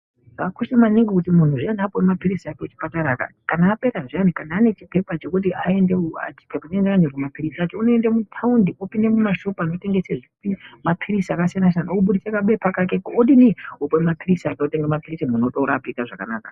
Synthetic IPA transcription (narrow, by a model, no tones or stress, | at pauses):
ɡakoʃemaniŋɡikutimun̤uʐianapowemapirisiakeut͡ʃi̥pataɾaka̰kanaːpe̞ɾaʐianikanaːne̞t͡ʃipe̞pat͡ʃe̞kut̬iae̞ndeua̰t͡ʃi̥pʰepanendakanerwumapirisat͡ʃounoendemutʰaundiopinde̞mumaʃopano̞te̞ŋɡe̞seʐikutimapʰiɾisiakasijanasianauɓuɗit͡sekaɓepakakekoɗiniopowemapʰirisiataoteŋɡemapirisimunotoɾapikaʐaka̰naːka